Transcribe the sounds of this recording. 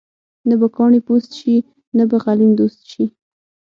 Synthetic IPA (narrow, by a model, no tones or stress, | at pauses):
nabakɑɳipost̪ʃi | nabaɣalimd̪ost̪ʃi